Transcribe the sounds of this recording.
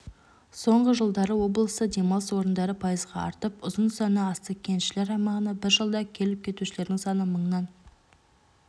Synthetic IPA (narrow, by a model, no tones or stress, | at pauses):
so̞ɴʁəʒəlˠd̪ɑɾəwo̞blˠəsəd̪e̞mɑlˠəswo̞ɾənd̪ɑɾəpʰɑjəzʁɑɑ̰ɾt̪əp̚ʊzənsɑnəɑst̪əkʲʰe̞nʃɪle̞ɾɑjmɑʁənɑbɪɾʒəlˠd̪ɑkʲʰe̞lɪp̚kʲʰe̞t̪uʃɪle̞ɾd̪ɪŋsɑnəməɴnɑn